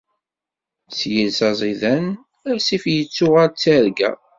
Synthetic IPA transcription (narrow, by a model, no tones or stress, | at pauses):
t͡sːjəlsɑzˤiðæn | æsifjət͡sːʊʁaɾt͡sːæɾɡæ̰